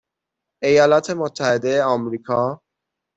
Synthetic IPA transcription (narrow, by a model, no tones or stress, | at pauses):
e̞jɒːlɒːt̪ʰe̞mot̪ʰːæhe̞d̪e̞jeɒmɾiːkʰɒː